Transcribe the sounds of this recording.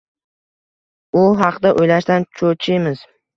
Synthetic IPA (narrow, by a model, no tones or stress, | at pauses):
ʊɦɑqd̪aʔojlaʃd̪ant͡ʃʰot͡ʃʰɪjmɪz̥